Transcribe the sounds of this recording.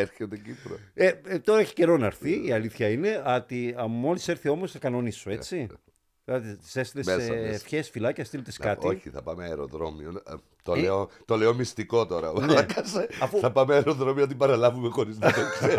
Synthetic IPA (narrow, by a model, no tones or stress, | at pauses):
eɾçet̪ecipɾoet̪o̞ɾɐeçi̥ce̞ɾo̞nɐɾθiiɐliθçɐine̞ɐt̪iɐmo̞liseɾθio̞mosθɐkɐnonisːuet͡si | ðilɐt̪it̪sest̪ilesesfçesfilɐceɐst̪ilt̪eskɐt̪ioçḭθɐ̰pɐmeɐeɾo̰ðɾo̞mion | t̪oeot̪oleo̞mist̪iko̞t̪o̞ɾɐvneɐkɐseɐfuθɐpɐmeɐeɾoðɾo̞mioɐt̪̬ibɐɾɐlɐvumexo̞ɾizekse